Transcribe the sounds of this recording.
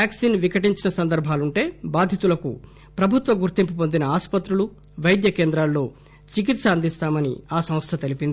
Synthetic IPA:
jaːksiːnʋikɐʈiɲt͡ʃinɐsɐnd̪ɐɾbʱaːluɳʈe̞ːbaːd̪ʱjɐt̪ulɐkṵ | pɾɐbʱut̪ʋɐɡuɾt̪impupo̞nd̪inɐaːspɐt̪ɾulu | ʋɐjd̪jɐkeːnd̪ɾaːlːo̞ː | t͡ʃik̬it̪sɐɐnd̪ist̪aːmɐnḭaːsɐ̃m̃st̪ʰɐt̪e̞lipind̪ii

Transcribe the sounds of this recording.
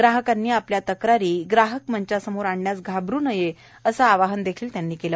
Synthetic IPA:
ɡɾaɦəkanːiːapljat̪əkɾaɾiːɡɾaɦəkm̤əɲt͡ɕasəmoɾaɳɳjasɡʱabɾuːnəje | əsaːʋaɦənd̪ekʰiːlt̪janːiːkelə

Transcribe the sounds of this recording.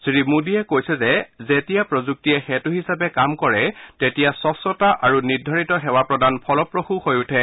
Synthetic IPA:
sɹimudiɛkojsɛzɛzetijapɹozuk̚tijɛxɛtuɦisapɛkamkɔɹɛtetijasɔsɔtaʔaɹunidʱɔɹitɔɦɛwapɹɔdanpʰɔlɔpɹoxuxojutʰɛ

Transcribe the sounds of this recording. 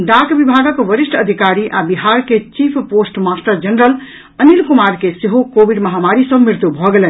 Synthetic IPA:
ɖakbibʱaɡəkʋəɾisʈəd̪ʱikaɾiʔabiɦaɾket͡ʃipʰposʈmasʈəɾd͡ʒənɾəl | ənilkumaɾkeseɦokobiɖməɦamaɾisəbmiɾt̪ubʱɔɡelɛn

